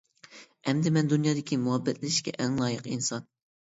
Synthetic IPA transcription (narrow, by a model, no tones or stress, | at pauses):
ɛmd̪ɪmɛnd̪unjɑːd̪ɪkʲimuɦɛbːɛt̪lɪʃkʲɛ̰ʔɛŋlˠɑːjəqinsɑn